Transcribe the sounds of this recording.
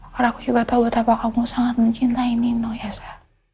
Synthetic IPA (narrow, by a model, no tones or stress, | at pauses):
karakud͡ʒuɡat̪aubət̪apakamusaŋat̪̚məɲt͡ʃint̪aininojasḁ